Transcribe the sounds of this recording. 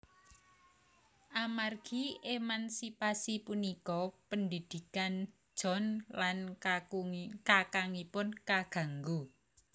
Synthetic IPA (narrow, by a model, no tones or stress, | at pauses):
ʔamarɡ̥iʔemansipasipunikɔpəndid̪̥i̤kan̥ | ʒ̥ɔ̤nlan | kakaŋipʊnkaɡ̥ä̤ŋɡu